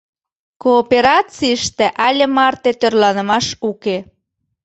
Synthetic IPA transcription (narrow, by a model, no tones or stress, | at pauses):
koːpeɾɑt͡siəʃt̪ĕʔælʲemɑrt̪et̪ørlɑnə̆mɑʃuke